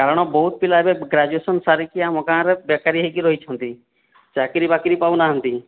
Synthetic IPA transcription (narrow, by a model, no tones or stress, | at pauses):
kaːɾɽ̃ɔbɔɦut̪̚pɪlabeɡɾad͡ʒuesənsaɾikiamɔkãːɾɛbjekaɾiɦekiɾoɦit͡ʃʰənt̪i | t͡ʃaːkiɾiːbaːkiɾipaːunaːɦə̃nt̪iː